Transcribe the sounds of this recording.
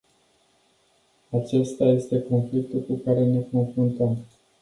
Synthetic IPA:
at͡ʃe̞st̪aje̞st̪e̞ko̞nflik̚t̪ulkukaɾe̞ne̞ko̞nfɾunt̪əm

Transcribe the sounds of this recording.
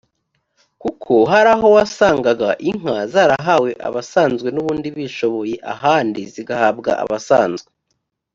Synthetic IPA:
kukʰoɦaɾaɦo̞wasaːŋɡaɡaʔiŋ̥azaɾaɦawe̞ʔa̰βasaːnzɡwe̞nuβuːndiβiʃo̞βo̞je̞ʔa̰ɦaːndiziɡahaːbɡa̰ʔa̰βasaːnzɡwe

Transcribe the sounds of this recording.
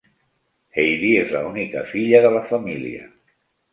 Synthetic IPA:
ejðiezla̰unikə̰fiʎəðələfɐmilḭə̰

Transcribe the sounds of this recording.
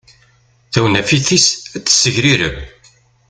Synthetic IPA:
θæwnæfiθisæt͡sːə̥sːəʝɾiɾə̰m

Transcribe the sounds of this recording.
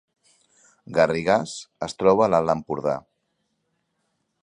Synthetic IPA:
ɡariɣasəst̪ɾɔβəlaləmpuɾða̰

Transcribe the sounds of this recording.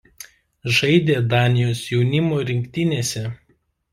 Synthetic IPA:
ʒɐɪd̪ʲeːd̪ɑːnʲɪjoːsjɛʊnʲɪmoːɾʲɪŋʲkʲt̪ʲɪnʲeːsʲɛ

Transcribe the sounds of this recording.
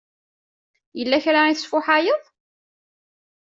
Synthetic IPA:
jəlːæçɾaiθəsfʊħajəðˤ

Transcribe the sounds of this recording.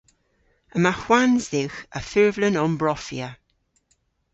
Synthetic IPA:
əmaxwanzðɪwxə̰fɪɹvlənɔmbɹɔfiə

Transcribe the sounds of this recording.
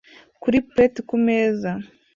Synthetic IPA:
kuɾipɾetikumeːza

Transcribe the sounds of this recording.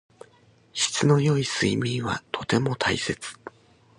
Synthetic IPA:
ɕi̥t͡sɨno̞jo̞isɨimʲĩɰ̃βa̰t̪ʰo̞t̪e̞mo̞t̪ʰaise̞t͡sɨ̥

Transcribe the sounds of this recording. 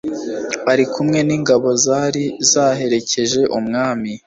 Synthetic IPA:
aɾikʰumŋe̞niːŋɡaβo̞zaɾizaːɦe̞ɾe̞ce̞ʒe̞ʔumŋaːmi

